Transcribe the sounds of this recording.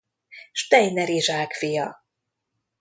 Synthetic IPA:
ʃt̪ɛjnɛɾiʒaːkfijɒ

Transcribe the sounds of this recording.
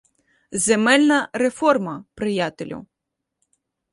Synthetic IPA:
zemɛlʲnɐɾefɔrmɐpɾɪjat̪elʲṵ

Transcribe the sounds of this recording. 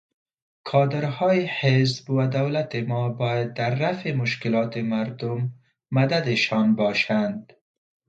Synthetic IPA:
kʰɑːd̪ɪɾhɑːjihezbwad̪awlat̪emɔːbɑːjad̪̚ːaɾːafemʊʃkɪlɑːt̪emaɾd̪ʊmː | ad̪ad̪eʃɑnbɒːʃand̪

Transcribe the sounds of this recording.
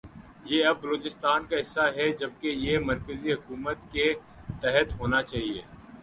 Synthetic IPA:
jeːɐbːɐloːt͡ʃɪst̪aːnkaɦɪsːaɦɛd͡ʒɐb̚kejemɐɾkəziɦʊkuːmət̪ke | t̪ɛɦət̪ɦoːnat͡ʃaːɦiḛː

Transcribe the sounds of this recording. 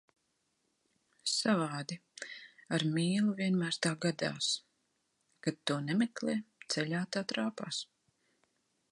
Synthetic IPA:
savaːd̪i | aɾmʲiːlˠuviɛnmæːɾst̪aːɡad̪a̰ːs | kat̪̚t̪ːuɔnɛmɛklɛːt̪sɛʎʲaːt̪aːt̪ɾaːpaːs

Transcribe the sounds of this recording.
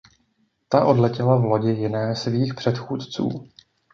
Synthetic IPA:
t̪aʔo̞dlɛcɪlavlo̞ɟɪjɪnɛːsviːxpr̝̥ɛt̪xuːt̪t͡sṵː

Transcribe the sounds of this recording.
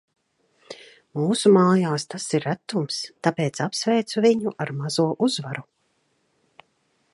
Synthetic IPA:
muːsumaːjaːst̪asiɾːæt̪ːumst̪apeːt̪sapsvɛjt̪suviɲuʔaɾmazuɔʔuzvaɾu

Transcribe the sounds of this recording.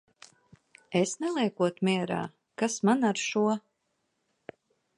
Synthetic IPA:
esnɛlˠiɛkuɔt̪mʲiɛɾa̰ː | kasmanaɾʃuɔ

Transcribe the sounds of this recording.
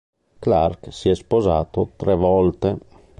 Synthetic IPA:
klarksiɛspoza̰ːt̪ot̪ɾɛvɔlt̪e

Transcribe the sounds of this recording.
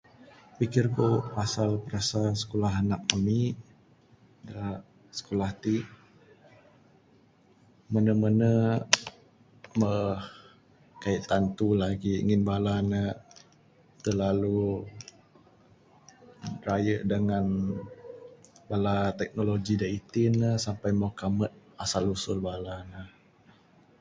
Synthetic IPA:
pikɪrkopasalpəɾasasə̥kolaɦanak̚ami | dala | sə̥kolaht̪iʔ | mənəmənə | məh | kaiʔt̪ant̪ulaɡiḭŋɪnbalanə | t̪əlalu | rajəʔdəŋan | balat̪ɛk̚noloɡidait̪inəhsampajmakamət̪̚asalusʊlbalanəh

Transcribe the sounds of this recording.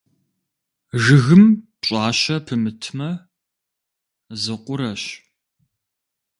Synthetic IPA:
ʒɨɣɨm | ɕʼɑːɕɐpʰɨmɨtʰmɐ | zɨqʷʊɾɐɕ

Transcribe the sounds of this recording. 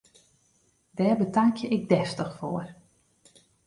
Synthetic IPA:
d̥ɛːrbətaŋkjəɪk̚dɛftəxfoːər

